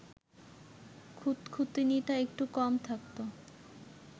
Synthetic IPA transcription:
kʰut̪kʰut̪iniʈaek̚ʈukɔmt̪ʰak̚t̪o

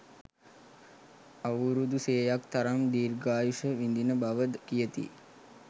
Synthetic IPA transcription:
aʋuɾud̪useːjakt̪aɾamd̪iːɾɡaːjuʂəʋind̪inəbaʋəd̪kijət̪ḭ

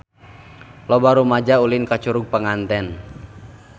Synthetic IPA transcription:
lɔbaɾumad͡ʒaulinkat͡ʃuɾuɡ̚pəŋant̪ɛn

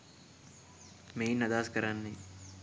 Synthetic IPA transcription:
meːnɐd̪aːskɐɾanːi

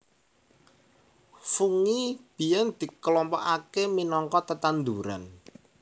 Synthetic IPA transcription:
fuŋib̥i̤jɛnd̪̥i̤kəlɔmpɔʔakeminɔŋkɔt̪ət̪and̪uɾa̰n

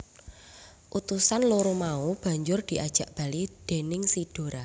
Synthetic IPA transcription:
ʔut̪usanloɾumaub̥ä̤ɲd͡ʒʊrd̪̥i̤ʔad̥ʒ̥ä̤ʔb̥a̤lid̪̥e̤nɪŋsid̥o̤ɾa

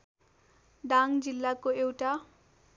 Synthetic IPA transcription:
ɖaŋd͡zilːakoewʈa

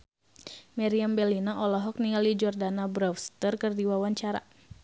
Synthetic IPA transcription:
maɾiambɛlinaʔɔlɔɦɔk̚niŋalid͡ʒɔrdanabɾɔfst̪ərkɨrdiwawaɲt͡ʃaɾa̰

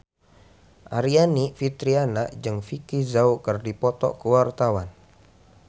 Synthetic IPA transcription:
ʔaɾianifit̪ɾianaʔd͡ʒɨŋfikizaukərdipɔt̪ɔ̰kəwart̪awan

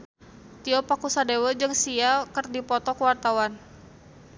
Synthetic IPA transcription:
t̪iɔpakusadewəd͡ʒɨŋsiakərdipɔt̪ɔkəwart̪awan

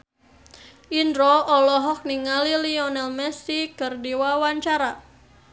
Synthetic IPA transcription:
ʔindɾɔɔlɔɦɔk̚niŋaliliɔnɛlmɛsikərdiwawaɲt͡ʃaɾa

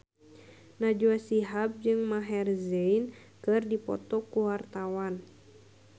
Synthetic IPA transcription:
nad͡ʒuasiɦap̚d͡ʒɨŋmaɦɛrzein | kɨrdipɔ̰t̪ɔkuwart̪awan

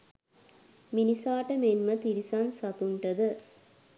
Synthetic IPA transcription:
minisaːʈəmenmət̪iɾisansɐt̪uɳʈəd̪ə

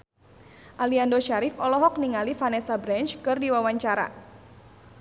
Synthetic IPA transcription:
ʔaliandoʃaɾɪfɔlɔɦɔk̚niŋalifanɛsabɾant͡ʃkɨrdiwawaɲt͡ʃaɾa̰

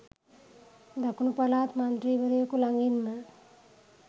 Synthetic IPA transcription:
d̪akunupalaːt̪mand̪ɾiːʋəɾejokulaŋɡinːə

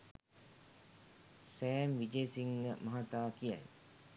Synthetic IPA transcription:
sæːmʋid͡ʒeːsiŋɡəmɐɦat̪aːkija̰j

